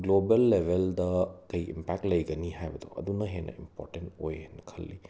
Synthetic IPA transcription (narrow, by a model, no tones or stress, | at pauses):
ɡlobelːebʱeldɐkɐjḭmpak̚ʈlɐjɡɐniɦajbɐd̪o̰ɐ̰d̪unɐɦenɐ̰impɔ̰ɾʈentojɦenɐkʰɐlːi